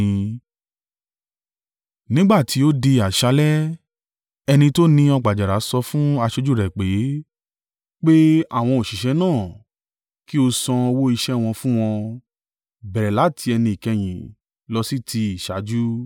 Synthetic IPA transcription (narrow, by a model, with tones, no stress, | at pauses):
nĩ˦ɡ͡ba˦˨ti˨˦o˦de˧a˨ʃa˨˦lɛ˦ | ɛ˧nĩ˧to˦nĩ˦ɔ˧ɡ͡ba˨d͡ʒa˨ɾa˨˦sɔ˧fũ˦a˧ʃo˦d͡ʒu˦˨ɾɛ˨k͡pe˨˦ | k͡pe˦a̰˦˨w̃ɔ̃˧o˨ʃi˨ʃɛ˧˦nãː˦˨ | ki˦o˧sɔ̃˧wo˦i˧ʃɛ˦w̃ɔ̃˧fũ˦w̃ɔ̃˧ | bɛ˨ɾɛ˨la˨˦˨tʰi˧ɛ˧nĩ˧i˨kɛ˧j̃ĩ˨ | lɔ˧si˦tʰi˧i˨ʃa˨˦d͡ʒu˦